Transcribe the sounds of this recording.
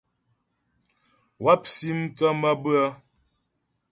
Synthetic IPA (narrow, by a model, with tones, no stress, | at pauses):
wa˦p̚si˦m̩˦t͡sɔ˦mə˦bə˦ə˦